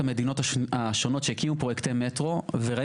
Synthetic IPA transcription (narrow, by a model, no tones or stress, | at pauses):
ame̞d̪ino̞taaʃo̞no̞tʃejkimupʁoekt̪emːetʁo̞veʁa